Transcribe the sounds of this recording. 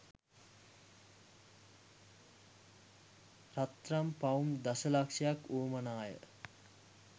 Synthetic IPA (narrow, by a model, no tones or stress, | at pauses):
rat̪rampaumd̪asəlakʂijakuːmənaːjə̰